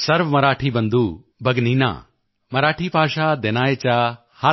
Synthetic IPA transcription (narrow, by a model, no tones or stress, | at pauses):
sɐɾʋmɐɾaːʈʰibɐ̃nd̪uː | bɐɡniːna̰ː | mɐɾaːʈʰipaːʃad̪enaːet͡ɕa | ha